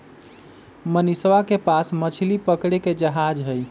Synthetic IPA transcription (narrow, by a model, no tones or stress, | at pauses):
mənisʋakepasmət͡ʃʰlipəkɽeked͡ʒəɦad͡ʒɦəj